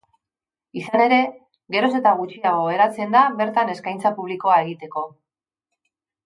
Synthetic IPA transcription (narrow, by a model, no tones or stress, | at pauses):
isane̞ɾe̞ | ɣe̞ɾo̞se̞t̪aɣut͡ʃiaɣo̞e̞ɾat͡se̞nd̪aβe̞ɾt̪ane̞skajnt͡sapuβliko̞ae̞ɣit̪e̞ko̞